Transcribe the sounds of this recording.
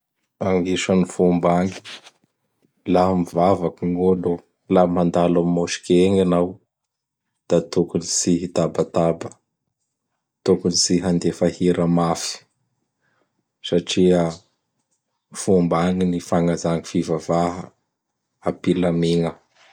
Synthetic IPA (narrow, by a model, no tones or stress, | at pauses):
aŋɡiʃənifumbaŋi̥ | lamivavakiŋolu | lamand̪alammoʃi̥keŋanaw | d̪̥at̪ukunisiɦit̪abat̪abə | t̪ukunisiɦand̪efahiɾəmafi̥ | saʈ͡ʂiə | fumbaŋinifaŋazaŋifivavaɦə | apilameŋə